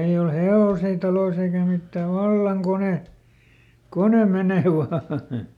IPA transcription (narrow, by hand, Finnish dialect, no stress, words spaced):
ei ol heoˑsiː tɑlois eikæ mitːæ ʋɑlːɑŋ kone kone meneˑ ʋɑː